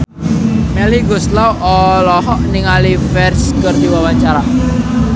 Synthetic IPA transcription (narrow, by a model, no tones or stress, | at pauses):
mɛliɡʊslawʔɔlɔɦɔʔniŋalifɛrskərd̪iwawaɲt͡ʃaɾa